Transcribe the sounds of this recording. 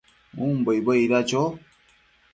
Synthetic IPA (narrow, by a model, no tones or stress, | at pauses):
um̩bəjbəiɾat͡ʃɔ